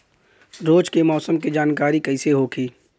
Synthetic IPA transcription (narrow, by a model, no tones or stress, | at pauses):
ɾoːd͡ʒkemɔːsəmkid͡ʒaːnkaːɾikɐɪseɦoːkiː